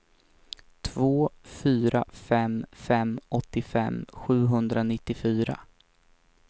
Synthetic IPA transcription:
t̪ʰvoːfyːɾafɛmfɛmʔɔt̪ːɪfɛ̰mːɧʉ̟ːɦɵnd̪ɾanɪt̪ːɪfyːɾa̰

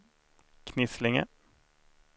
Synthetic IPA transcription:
kʰnɪslɪŋə̰

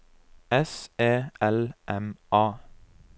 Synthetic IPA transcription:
ɛseːʔɛlʔɛmʔɑː

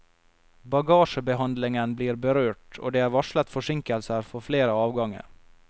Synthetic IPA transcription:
bɑɡɑːʂəbɛɦand̪lɪŋənbliːɾbɛɾøːʈɔ̰d̪ɛæɾvaʂlat̪fœʂɪŋkəlsəɾfɔɾfleːɾaɑːvɡɔŋːə̰ɾ

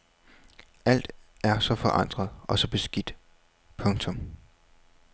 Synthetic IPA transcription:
æl̰d̥æɐsɒ̽fɒ̽ʔɑ̈n̰d̥ʁɐð̩ˠɒ̽sɒ̽b̥e̝sɡ̥id̥ | pʰɔ̽ŋt͡sʰɔ̽m

